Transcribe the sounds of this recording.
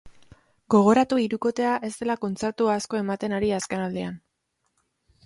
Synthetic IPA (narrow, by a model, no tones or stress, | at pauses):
ɡo̞ɣ̞o̞ɾat̪uiɾuko̞t̪e̞aʔe̞st̪e̞lako̞nt͡se̞ɾt̪uaːsko̞e̞mat̪e̞naɾiaske̞nald̪ean